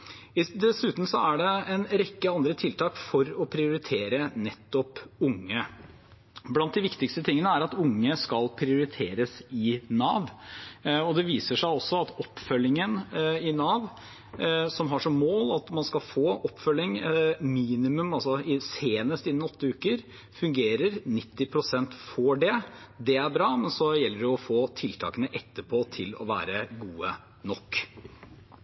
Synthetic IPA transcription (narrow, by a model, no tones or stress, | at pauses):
ɪd̪ɛsʉːt̪n̩sɔæɖɛɛnɾɛkːəɑnd̪ɾət̪ʰɪlt̪ʰɑːkfɔɾɔpʰɾɪʊɾɪt̪ʰeːɾənɛt̪ːɔpʊŋːə | blɑnt̪̚d̪ɪʋɪkt̪ɪkst̪ət̪ʰɪŋːənəæɾɑt̪ʊŋːəskɑlpʰɾɪʊɾɪt̪ʰeːɾəsɪnɑ̰ːʋ | ɔd̪ɛʋiːsəʂæɪɔsːɔɑt̪ɔpːfœlːɪŋənɪnɑːʋ | sɔmɦɑʂɔmːoːlɑt̪mɑnskɑlfoːʔɔpːfœlːɪŋmiːnɪmʉmɑlsɔɪseːnəst̪ɪnːənɔt̪ːəʉːkəɾ | fʉŋɡeːɾəɾnɪt̪ːɪpʰɾʊsɛnt̪fɔɖɛd̪ɛæɾbɾɑːmɛnsɔjɛlːəɖɛɔfoːt̪ʰɪlt̪ʰɑ̰ːkənəʔɛt̪ːəɾpʰoːt̪ʰɪlɔ̰ʋæ̰ːɾəɡuːə | nɔkː